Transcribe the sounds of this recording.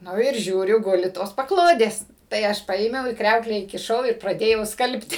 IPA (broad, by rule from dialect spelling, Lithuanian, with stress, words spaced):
ˈnʊ ɪr ˈʒʲuːrʲʊ ˈɡʊlʲɪ toːs pɐˈklˠoːdʲeːs tɐɪ ˈɐʃ ˈpɐeːmʲɛʊ iː ˈkrʲɛʊklʲæː iːkʲɪˈʃɐʊ ɪr prɐˈdʲeːjɛʊ ˈskɐlʲpʲtʲɪ